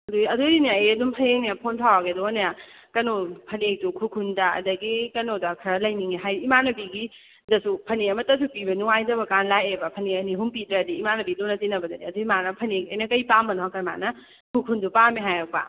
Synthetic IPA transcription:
ɐdujɐduinaeɐdumpʰɐnenijapʰontʰawaɡedɔoneja | kɐnopʰɐnek̚tukʰukʰundaɐ̰dɐɡikɐnodakʰɾalɐjniŋeɦajːmanɐbiɡi | dɐsupʰɐneɐmɐtːɐsupibɐnuajzɐbɐkanlajebɐpʰɐneɐniɦumpidɾɐːdiimanɐbilonɐtinɐbɐdadiɐduimanɐpʰɐnekɐjnɐkɐjpambɐnɔɦakajma̰nɐ | kʰukʰundupamiɦajak̚pa̰

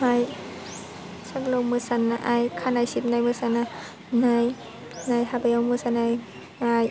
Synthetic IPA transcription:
maj | saklomɯsanːaʔajkʰanajsit̚najmɯsana | naj | najhabajawmɯsanaj | ŋaj

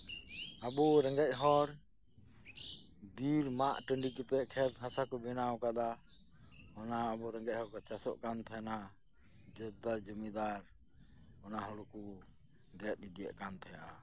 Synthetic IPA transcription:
abɔɾɛŋɡɛc̚ɦɔɾ | biɾmaʔʈəɳɖikɛp̪ɛʔkʰɛt̪ɦãsakɔbɛnawkad̪a | ɔnaːbɔɾɛŋɡɛc̚hɔɾkɔt͡ʃasɔ̰ʔkant̪ʰana | d͡ʒɛd̪ad͡ʒumɛd̪aɾ | ɔnaɦɔluku | ɡɛt̪̚id̪ija̰ʔkant̪ʰaja

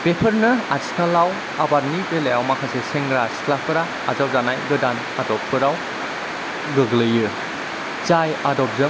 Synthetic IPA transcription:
pepʰəɾnɯaskalaw | abaɾnipelejawmakʰaseseŋɡɾasklapʰɯɾaːzawzanajɡɯdan | adɔpʰːɯɾaw | ɡɯɡlɯjɯ | t͡ʃajadɔp̚zɯ

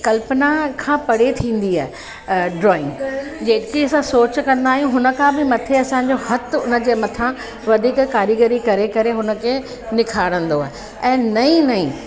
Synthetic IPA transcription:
kɐlpənakʰãːpɐɽet̪ʰĩːn̆d̪ia̰ːɦe | ɖɾɔːɪ̃ŋɡd͡ʑeːkiɐsãsoːt͡ɕkɐ̃nd̪aːɦijũɦʊnə̆kʰãbɪmɐt̪ʰeɐsãːɲd͡ʑohɐt̪ʊnə̆d͡ʑeːmɐt̪ʰã | ʋɐd̪ʱiːkkaːɾiɡəɾikɐɾekɐɾeɦʊnə̆kʰe | nɪkʰaːɽə̃nd̪oaːɦe | ɛ̃ːnɐĩnɐĩː

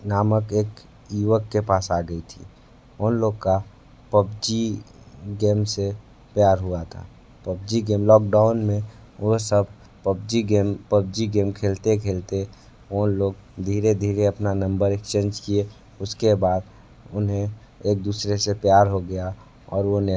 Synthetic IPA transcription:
naːməkeːk | iwəkːepaːsaɡəit̪ʰḭ | oːnloːɡka | pəbd͡ʒi | ɡeːmse | pjaːɾɦuat̪ʰa̰ | pəbd͡ʒiɡeːmlɔːk̚ɖaːʊnmẽ | ɦsəbʱ | əbd͡ʒiɡempəb̚d͡ʒiɡeːmkʰeːlt̪ekʰeːlt̪e | oːnloːɡ̚d̪ʱiːɾed̪ʱiːɾeəpnanə̃mbəɾekt͡ʃẽːɲd͡ʒkie | ʊskebaːd̪ | ʊnɦẽ | eːk̚d̪uːsɾesepjaːɾɦoɡəja | ɔ̰ːɾʋone

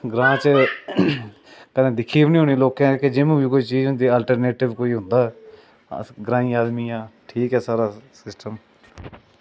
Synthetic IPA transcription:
ɡɾãːt͡ʃ | kənẽːd̪ɪkʰiːʋnĩːɦoːniːloːkãːked͡ʒɪmːiːkoːiːt͡ʃiːd͡ʒɦʊ̃nd̪iːaːlʈəɾneːʈɪʋkoːiːɦʊ̃nd̪aːɛ̰ | ɡɾãːĩːaːd̪miːjãːʈʰiːkɦɛːsaːɾaːsɪsʈəm

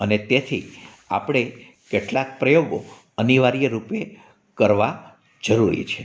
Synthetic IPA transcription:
ənet̪et̪ʰi | a̰pɽ̃e | keʈlak̚pɾəjoɡo | əniʋaɾijəɾupe | kəɾʋa | d͡ʒəɾuɾḭt͡ʃʰe

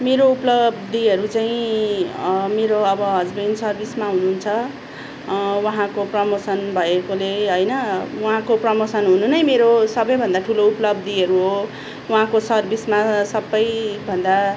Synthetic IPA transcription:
meɾouplʌbd̪iɦʌɾut͡saĩ | meɾoʌbʌɦʌd͡zbinsʌrbismaɦununt͡sʰʌ | waɦãkoprʌmosʌnbʱʌekoleɦʌjnʌwuɦãkoprʌmosʌnɦununʌjmeɾosʌbʌjbʱʌnd̪aʈʰulouplʌbd̪iʌɾuɦo | wuɦãkosʌrbismasʌbːʌjbʱʌnd̪a

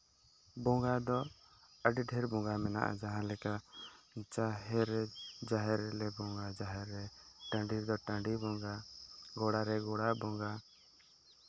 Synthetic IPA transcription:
bɔ̃ŋɡad̪ɔ | əɖiɖʱɛɾbɔ̃ŋɡamɛna̰ʔa̰d͡ʒaɦãlɛka | t͡ʃaɦɛɾɛd͡ʒaɦɛɾɛlɛbɔ̃ŋɡad͡ʒaɦɛɾːɛʈãɳɖiɾd̪ɔʈãɳɖibɔɡaɡɔɽaɾɛɡɔɽabɔŋɡa

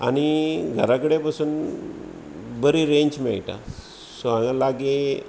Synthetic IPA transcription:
a̰ɽ̃iɡʱəɾakəɽepasuːn | bəɾiɾeɲd͡ʑmɛɭʈa̰ | soãŋalaɡe

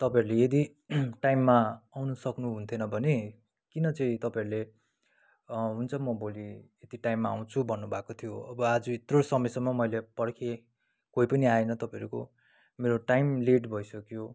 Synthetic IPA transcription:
t̪ʌpãeɾulejed̪i | ʈajmːaawnʌsʌknuɦunt̪ʰenʌbʱʌne | kinʌt͡sʌĩt̪ʌpãeɾule | ɦunt͡sʰʌmʌboliet̪iʈajmːaaw̃t͡sʰubʱʌnːubʱakot̪ʰijoʌbʌad͡zuit̪rosʌmʌjsʌŋmʌmʌjlepʌɽkʰe | kojpʌniaenʌt̪ʌpãeɾuko̰ | meɾoʈajmleʈbʱʌisʌkjo

